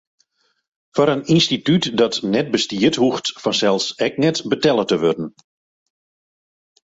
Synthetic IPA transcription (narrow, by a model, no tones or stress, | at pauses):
fɔɾəninstitytdɔtnɛt̚bəstiəthuxtfɔnsɛlˠsɛk̚nɛtbətɛlˠətəʋørdən̩